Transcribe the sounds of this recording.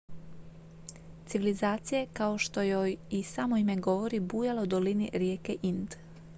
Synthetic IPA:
t̪siʋilizaːt̪sijakaoʃt̪o̞jojisamoime̞ɡo̞ʋo̞ɾibuːjalaud̪o̞linḭɾjeːkeʔind̪

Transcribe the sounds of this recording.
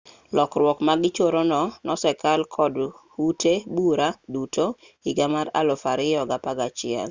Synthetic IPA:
lɔkrwɔkmaɡɪt͡ʃoɾonɔnɔsɛkalkʰɔdhutebuɾadutʰo | iɡamaɾa̰lɔfaɾɪjɔɡapaɡat͡ʃɪɛ̰l

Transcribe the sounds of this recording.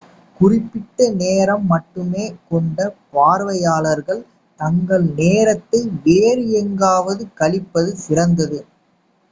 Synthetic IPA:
kʊrɪpːɪʈːɐneːɾɐmːɐʈːɯmeːkɔɳɖɐpaːɾʋɐjaːɭɐɾɣɐɭ | t̪ɐŋɡɐɭneːɾɐt̪ːɐɪʋeːɾɯɛŋɡaːʋɐðɯkɐɭɪpːɐðɯsɪrɐnd̪ɐðɯ

